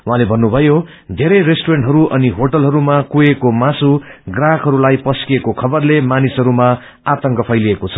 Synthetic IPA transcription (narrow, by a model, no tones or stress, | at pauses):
wuɦãlebʱʌnːubʱʌjo | d̪ʱeɾʌjresʈoɾeɳʈɦʌɾuʔʌniɦoʈʌlɦʌɾumakuekomasuɡrakɦʌɾulajpʌskiekokʰʌbʌrlemanisɦʌɾuma | at̪ʌŋkʌpʰʌjliekot͡sʰʌ̥